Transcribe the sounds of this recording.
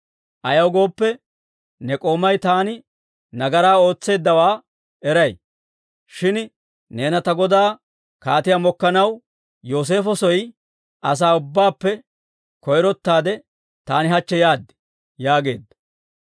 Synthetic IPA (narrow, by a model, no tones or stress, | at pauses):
ʔɐjɐwɡo̞ːpːɛ | nɛkʼo̞ːmɐjt̪aːnɪ | nɐɡɐɾaːo̞ːt͡sːe̞ːd̪ːɐwaː | ɛɾɐj | ʃɪn | ne̞ːnɐt̪ɐɡɔd̪aː | kaːt̪ɪjamɔkːɐnɐw | jo̞ːs̬e̞ːfɔsɔj | ʔɐs̬aːʊbːaːpːɛ | kɔjɾɔt̪ːaːd̪ɛ | t̪aːnɪɦɐt͡ʃːɛjaːd̪ːɪ̥ | jaːɡe̞ːd̪ːɐ